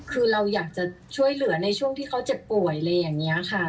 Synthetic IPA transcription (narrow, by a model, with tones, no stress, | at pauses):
kʰɯː˧ɾa˧wjaː˨˩k̚t͡ɕa˨˩t͡ɕʰu˥˩əjlɯ˩˦ɐna˧jt͡ɕʰu˥˩əŋt̪ʰiː˥˩kʰa˦˥wt͡ɕe˨˩pːu˨˩əjlɤː˧jːaː˨˩ŋːi˦˥ɐkʰa˥˩